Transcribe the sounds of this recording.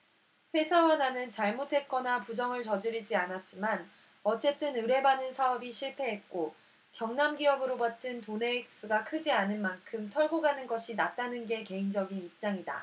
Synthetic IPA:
pʰwe̞sʰawananɯnt͡ɕaɭmotʰe̞t̚k͈ʌnapud͡ʑʌŋɯɭt͡ɕʌd͡ʑɯɾid͡ʑianat̚t͡ɕ͈iman | ʌt͡ɕ͈e̞t͈ɯnɯɾe̞banɯnsʰaʌbiɕʰiɭpʰe̞ɦe̞t̚k͈o | kjʌŋnamɡiʌbɯɾobat͈ɯntone̞ik̚s͈uɡakʰɯd͡ʑianɯnmankʰɯmtʰʌɭɡoɡanɯnɡʌɕʰinat̚t͈anɯnɡe̞ke̞ind͡ʑʌɡinip̚t͡ɕ͈aŋida̰

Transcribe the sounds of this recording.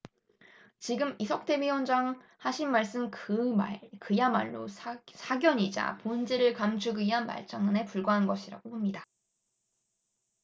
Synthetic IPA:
t͡ɕiɡɯmisʰʌk̚t͈ʰe̞biwʌnd͡ʑaŋ | haɕʰinːaɭs͈ɯmkɯkɯjama̰ɭːo̰sʰaɡjʌɲid͡ʑa̰pond͡ʑeɾɯɭkamd͡ʑʰuɡɯiɦanma̰ɭt͡ɕ͈aŋane̞puɭɡwaɦanɡʌɕʰiɾa̰ɡ̥opomɲida

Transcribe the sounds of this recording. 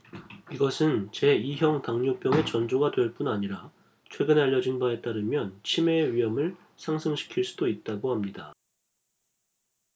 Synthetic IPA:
iɡʌsʰɯnt͡ɕe̞iɦjʌŋtaŋɲop͈jʌŋe̞t͡ɕʌnd͡ʑoɡadwe̞ɭp͈unaɲiɾa | t͡ɕʰwe̞ɡɯneaʎːʌd͡ʑinbae̞t͈aɾɯmjʌnt͡ɕʰime̞ːɥiɦʌmɯɭ | sʰaŋsʰɯŋɕʰi̥kʰiɭs͈u̥doit̚t͈aɡohamɲida

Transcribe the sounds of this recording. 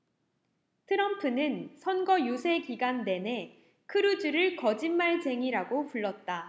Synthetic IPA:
tʰɯɾʌmpʰɯnɯnsʰʌnɡʌjosʰe̞kiɡanːe̞ne̞ | kʰɯɾud͡ʑuɾɯɭkʌd͡ʑinmaɭt͡ɕe̞ŋiɾaɡopuɭːʌt̚t͈a

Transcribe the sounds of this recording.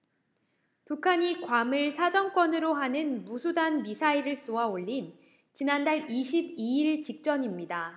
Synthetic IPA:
pukʰaɲikwamɯɭsʰad͡ʑʌŋk͈wʌnɯɾoɦanɯnmusʰudanmisʰaiɾɯɭs͈oaoʎːin | t͡ɕinandaɭiɕʰibiiɭt͡ɕik̚t͡ɕ͈ʌɲimɲida

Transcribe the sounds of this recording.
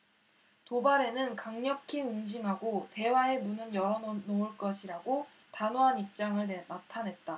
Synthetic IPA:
tobaɾe̞nɯnkaŋɲʌkʰiɯŋd͡ʑiŋɦaɡote̞wae̞nunɯnjʌɾʌnouɭk͈ʌɕʰiɾaɡo | tanoɦanip̚t͡ɕ͈aŋɯɭenatʰanɦe̞t̚t͈a

